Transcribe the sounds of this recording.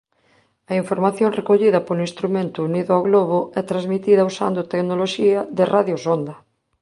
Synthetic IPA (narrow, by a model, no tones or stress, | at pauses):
ɐiɱfoɾmaθjonrekoʎiðɐpolĩnst̪ɾumẽnt̪uːniðoaɣloβ̞oɛt̪ɾazmit̪iðɐusa̰nd̪ot̪eɡnoloʃiaðerʔaðjosond̪ɐ